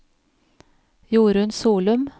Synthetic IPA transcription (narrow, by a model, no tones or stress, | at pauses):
juːɾəʉnsuːlʉm